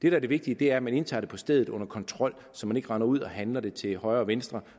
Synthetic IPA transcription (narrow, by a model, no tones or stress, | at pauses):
d̥e̝d̥æɐde̝ʋe̝ɡ̥̚d̥iəd̥e̝æɐmæne̝nt͡sʰɑ̈ːɾe̝̥pʰɒ̽sd̥eðˠð̩ˠɔ̽nɐkʰɒ̽nt͡sʰʁɒ̽l̰ | sɒ̽mæne̝ɡ̥əʁɑnɐuð̞̰ˠɒ̽hænlɐd̥e̝t͡sʰe̝hɒ̽ɪɐːʋensd̥ʁɐ